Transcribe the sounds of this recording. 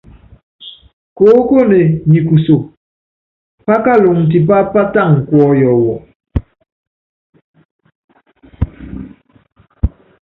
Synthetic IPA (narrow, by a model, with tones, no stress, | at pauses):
ko˨˦ko˦ne˨ɲi˨ku˨so˨ | pa˦ka˦lo˨ŋn̩˨t̬i˨p̬a˦pa˦ta˦˨ŋ̩˨kwɔ˦jɔ˨wɔ˨